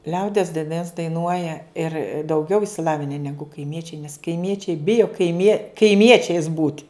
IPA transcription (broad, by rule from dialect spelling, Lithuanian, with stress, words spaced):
ˈlʲɛʊdʲiɛs dɐɪˈnɐs dɐɪˈnuɔjɛ ɪr dɐʊˈɡʲɛʊ ɪʃʲsʲɪˈlˠɑːʋʲɪnʲɛ ˈnʲæːɡʊ kɐɪˈmʲiɛt͡ʃʲɛɪ nʲɛs kɐɪˈmʲiɛt͡ʃʲɛɪ ˈbʲɪjoː kɐɪˈmʲiɛ kɐɪˈmʲiɛt͡ʃʲɛɪs buːtʲ